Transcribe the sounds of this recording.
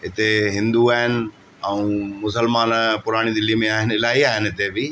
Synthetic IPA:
ɪt̪eɦɪ̃nd̪uaːɦɪnɪ̆ | ɛũːmʊsəlmaːnpʊɾaːɽ̃id̪ɪlimẽaːɦɪnɪɪlaːiaːɦɪnɪɪt̪ebɪ

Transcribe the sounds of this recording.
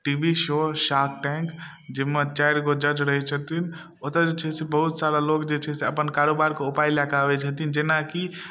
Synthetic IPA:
ʈibiʃoʃakʰʈɛ̃ŋk | d͡ʒemet͡ʃajɾkod͡ʒəd͡ʒɾəɦit͡ʃʰət̪in | ot̪əd͡ʒet͡ʃʰɛsebəɦut̪saɾalokd͡ʒet͡ʃʰɛseəpənkaɾobaɾkoupajlakabet͡ʃʰət̪ind͡ʒenaki

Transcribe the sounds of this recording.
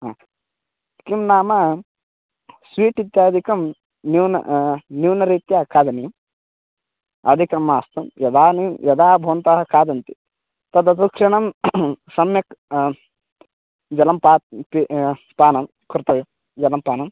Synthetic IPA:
ɦaː | kimnaːmɐ | sʋiːʈid̪jaːd̪ikɐm | niwnɐ̰nuːnɐɾiːt̪jaːkʰaːd̪ɐnijɐm | ɐ̰d̪ʱikɐmaːst̪ɐmjɐd̪aːnijmjɐd̪aːbʱɐʋɐnt̪aːɦɐkaːd̪ɐnt̪i̥ | t̪ɐd̪ɐt̪ukʂɐɳɐmsɐmjɐk | d͡ʒɐlɐmpaːt̪̚pi | paːnɐm | kuɾt̪ɐʋim | d͡ʒɐlɐmpaːnɐm

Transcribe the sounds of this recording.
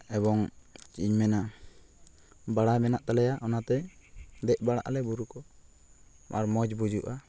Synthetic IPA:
ɛbɔŋt͡ʃiɲmɛna | baɽajmɛnaʔt̪alɛjaʔɔnat̪ɛd̪ɛʔ̚ˀbaɽa̰ʔlɛbuɾukɔ | a̰ɾmɔd͡ʒbud͡ʒuʔa

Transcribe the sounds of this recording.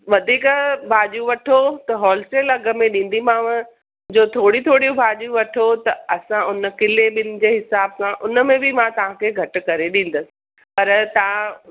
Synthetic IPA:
ʋɐd̪ʱiːkbʱaːʄũʋɐʈʰot̪ɐɦɔːlsʈeːlɐɡə̆mẽɗĩːn̆d̪imaːʋ | d͡ʑoːt̪ʰoːɽit̪ʰoːɽijũbʱaːʄũʋɐʈʰot̪ɐɐsãʔʊnə̆kɪleɓɪnɪ̆d͡ʑeːɦɪsaːbsãʔʊnəmẽbɪmãt̪ɐʋ̤ãkʰeːɡʱɐʈʊ̆kɐɾeɗĩːn̆d̪əsɪ̥ɪ̥̆ | pɐɾt̪ɐ̤ã

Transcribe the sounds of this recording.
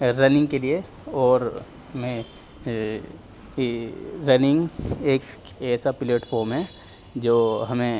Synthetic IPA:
ɾɐnɪ̃ŋɡ̚kelie | ɔːɾ | mẽ | ɾɐnɪ̃ŋɡeːkɛːsapɪleːʈfʰoːɾmɦɛ̃ | d͡ʒoːɦɐmẽ

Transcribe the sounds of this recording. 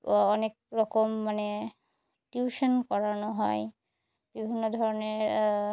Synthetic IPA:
ɔnek̚ɾɔkomːane | ʈjuʃɔnkɔɹanoɦɔj | b̥ibʱinːod̪ʱɔɹɔneɾ

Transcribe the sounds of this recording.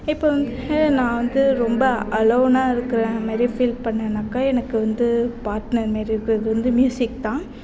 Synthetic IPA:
ɪpːoː | nãːʋɐnd̪ɯɾɔmbɐɐlɐʋnaːɪɾɯkːɯɾɐ̃maːd̪ɾifɪlpɐɳːɐnaːkːaːɛnɐkːɯʋɐnd̪ɯpaːɾʈnɐɾmaːd̪ɾiɪɾɯkːɯɾɐðɯʋɐnd̪ɯmjuːsɪk̚t̪ãː

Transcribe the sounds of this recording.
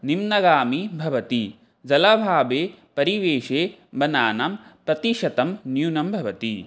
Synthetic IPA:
nimnɐɡaːmibʱɐʋɐt̪i | d͡ʒɐlɐbʱaːbeːpɐɾiʋeːʃeːbɐnaːnampɾɐt̪iʃɐt̪ɐmnjuːnɐmbʱɐʋɐt̪i

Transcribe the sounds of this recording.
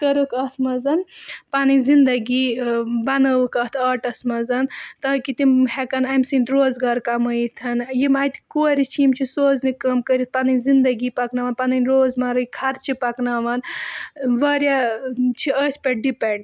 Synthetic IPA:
kəɾɨkɐt̪ʰmɐzɐnpanɨnʲzind̪ɐɡiːbɐnɐʋɨkɐt̪ʰɐːʈɐsmɐzɐnt̪ɐɦkit̪imhɛkɐnɐmsinʲt̪ɾoːzɡaːɾkɐmɐit̪ʰɐnjimaːt̪koːɾit͡ʃʰjimt͡ʃʰisoːznikɐmkəɾʲit̪̚pɐnɨnʲzind̪ɐɡiːpɐknaʋɐːnpɐnɐnʲɾoːzmɐɾuikʰɐɾt͡ʃʰipɐknaːʋɐn | ʋɐːɾjat͡ʃʰiəːt̪ʰpʲeɖipeɳɖ

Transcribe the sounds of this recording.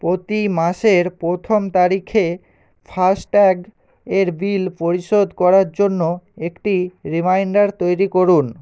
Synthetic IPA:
pɾot̪imaʃeɾpɾot̪ʰomt̪aɾikʰe | fʰasʈɛɡ | eɾbilpoɾiʃod̪ʱkɔɾaɾd͡ʑonːoekʈiɾimajɳɖaɾt̪ojɾikoɾun

